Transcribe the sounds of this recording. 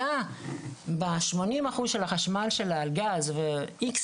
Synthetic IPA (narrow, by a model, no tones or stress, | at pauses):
a | baʃmo̞nimaχuzʃelaχaʃmalʃelalɡazveiks